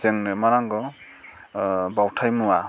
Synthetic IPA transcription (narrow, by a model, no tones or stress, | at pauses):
zeŋnɯmaɾaŋɡɔ | bawtʰajmuwa